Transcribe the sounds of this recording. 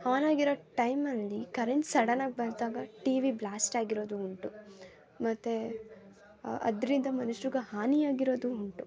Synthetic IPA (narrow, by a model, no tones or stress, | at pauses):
haːnaːɡiɾoʈɐjmɐlːikɐɾeɳʈsɐɽɐnaːɡ̚bɐɾd̪aːɡɐʈiːʋiblaːsʈaːɡiɾo̞ːd̪uuɳʈu | mɐt̪ːe | ɐ̰d̪ɐɾind̪ɐmɐnuʃɾuɡɐhaːnijaːɡiɾo̞ːd̪uːɳʈu